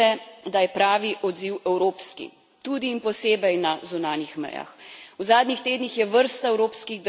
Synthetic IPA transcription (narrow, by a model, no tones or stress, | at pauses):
ɛd̪ajɛpɾaːʋiʔɔd̪ziwɛwɾoːpskḭ | t̪uːd̪iːnpɔseːbɛjnazunaːnixmɛ̰ja̰xuzaːd̪nixt̪eːd̪nixjɛʋəɾst̪aɛwɾoːpskiɣd̪ə